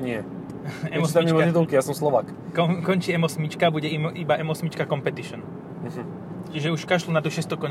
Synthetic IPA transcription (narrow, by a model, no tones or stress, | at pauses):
ɲɪɛ | ɛmɔst̪aɲɔt̪it̪ɔlkijasɔmslɔʋaːk | kɔkɔnt͡ʃiɛmɔsmit͡ʃkabuɟɛimʔibaʔɛmɔsmit͡ʃkakɔmpɛt̪iʃɔn̩ | ɦ̩ | t͡ʃiʒɛuʃkaʃlunad̪ɔʃɪɛst̪ɔkɔɲ